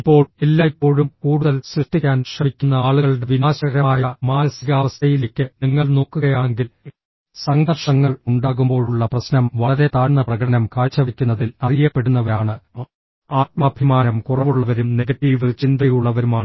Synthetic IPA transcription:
ipːo̞ːɭelːaːjpːo̞ːɻumkuːɽuðɐlsrɨʂʈikʲːaːnɕrɐmikʲːunːɐaːɭuɣɐɭɽe̞ʋinaːɕɐɾɐmaːjɐmaːnɐsiɣaːʋɐst̪ɐjilekʲːɨniŋːɐɭno̞ːkːuɣɐjaːeŋɡil | sɐŋɡɐrʂɐŋːɐɭuɳɖaːɣumbo̞ːɻuɭːɐprɐsnɐmʋɐɭɐɾe̞t̪aːɻnːɐprɐɣɐɽɐnɐmkaːɻt͡ɕːɐʋikʲːunːɐðilɐrijɐpːe̞ɽunːɐʋɐɾaːɳɨ | aːt̪̚mɐːbʱimaːnɐmkurɐʋuɭːɐʋɐɾumne̞ɡɐʈːiːʋɨt͡ɕind̪ɐjuɭːɐʋɐɾumaːɳɨ

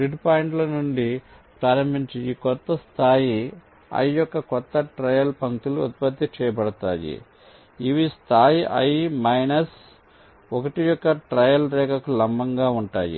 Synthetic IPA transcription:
ɾiɖpaːjiɳʈlɐnuɳɖi | pɾaːɾɐmbʱiɲt͡ʃiikɔt̪ːɐst̪ʰaːji | ɐ̰jjɔkːɐkɔt̪ːɐʈɾɐjɐlpɐŋkt̪uluɐ̰t̪̚pɐt̪ːit͡ʃɛːjɐpɐɽɐt̪a̰ːjḭ | iʋist̪ʰaːjiʔɐ̰jmɐjnɐs | ɔkɐʈijɔkːɐʈɾɐjɐlɾɛːkɐkulɐmbɐŋɡaːuɳʈa̰ːjḭ

